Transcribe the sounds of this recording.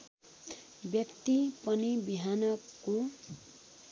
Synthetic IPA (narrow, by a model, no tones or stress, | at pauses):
bjʌkt̪ipʌnibiɦanʌko